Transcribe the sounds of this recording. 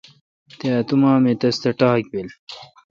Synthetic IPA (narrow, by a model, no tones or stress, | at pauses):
t̪eɐt̪umaːmet̪ɐst̪ɐʈaːk̚bil